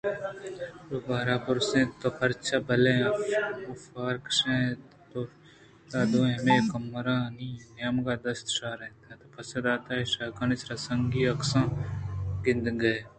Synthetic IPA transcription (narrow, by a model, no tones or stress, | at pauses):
ɾobaːɾaːpɐɾsẽt̪opʰɐɾt͡ʃʰabɐle | ofaːɾkʃẽː | t̪o | t̪aːd̪oːemekɐmɾaniːnjamɡaːd̪ɐst̪ʃaːɾɛt̪ẽt̪opʰɐsɐd̪aːt̪aːeʃaːkanɪsɾasɐŋɡiːɐksãː | ɡɪ̃nd̪ɡɐe